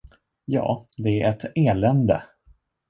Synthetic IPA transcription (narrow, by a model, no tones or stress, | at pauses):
jɑ̰ːd̪ɛæɾʔɛt̪eːlɛnd̪ə̰